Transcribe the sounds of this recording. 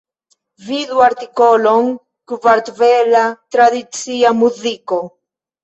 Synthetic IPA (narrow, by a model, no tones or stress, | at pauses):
viðwaɾt̪ikoloŋ | kuvaɾt̪velat̪ɾaðit͡siamuðiko